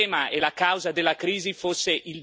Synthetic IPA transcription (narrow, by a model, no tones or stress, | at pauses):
maʔelakawzad̪elːakɾiːzifosːeʔil